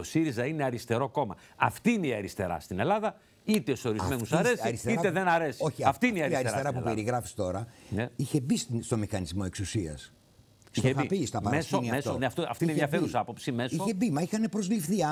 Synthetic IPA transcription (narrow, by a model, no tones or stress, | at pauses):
o̞siɾizɐineɐɾist̪e̞ɾo̞ko̞mɐ̰ɐ̰ft̪iineiɐɾist̪e̞ɾɐ̰st̪ine̞lɐðɐ | it̪eso̞ɾizɐmenusɐɾesɾist̪eiɾɐt̪eðenɐɾe̞sio̞çiɐft̪iineiɐiɐɾst̪eɾɐpupeɾiɣɾɐfi̥st̪o̞ɾɐneiçe̞bisst̪o̞mixɐnizmo̞e̞ksusiɐ̰s | t̪oepist̪ɐpɐɾmɐesoniɐest̪onft̪oɐ̰ft̪inenðjɐfeɾusɐpo̞psimesiçebimɐixɐne̞pɾo̞zlifθiɐ